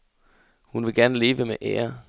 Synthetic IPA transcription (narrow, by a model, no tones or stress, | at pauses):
hunʋe̝ɡ̥æɐnəle̝ːʋəmeʔɛ̰ːɐ